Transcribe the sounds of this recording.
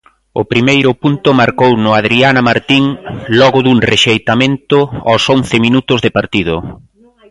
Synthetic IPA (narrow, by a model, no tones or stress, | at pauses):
ʊ̰pɾimejɾʊpunt̪ʊmaɾkownʊað̞ɾianɐmaɾt̪iŋlɔɣʊðuŋreʃejt̪amẽnt̪ʊɔsonθɪminut̪ʊzðɪpaɾt̪ið̞ʊ